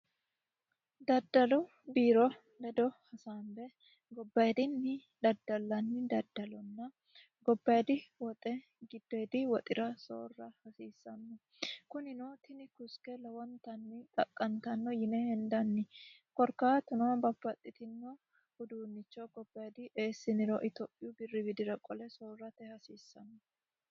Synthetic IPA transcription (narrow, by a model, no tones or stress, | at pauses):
d̪ɐd̪ːɐlɔ | biːɾɔ | bɛd̪ɔhɐsaːmbɛ | ɡɔbːɐɛd̪ɪnːɪ | d̪ɐd̪ːɐlːɐnːɪd̪ɐd̪ːɐlɔnːɐ | ɡɔbːɐɛd̪ɪwɔt̪ʼɛ | ɡɪd̪̥ːɔɛd̪ɪwɔt̪ʼɪɾɐso̰ːrːɐhɐsiːsːɐnːɔ | kʊnɪnot̪ɪnɪkʊskɛlɐwɔnt̪ɐnːɪt̪ʼɐkʼːɐnt̪ɐnːɔjɪnɛhɛnd̪ɐnːɪkɔɾkaːt̪ʊnɔbɐpːɐt̪ʼːɪt̪ɪnːɔ | hʊd̪uːnːɪt͡ʃːɔɡɔbːɐjd̪ɪʔe̞ːsːɪnɪɾɔ̰ʔɪt̪opʼːɪjʊbɪrːɪbɪd̪ɪɾɐkʼɔlɛsoːrːɐt̪ɛhɐsiːsːɐnːɔ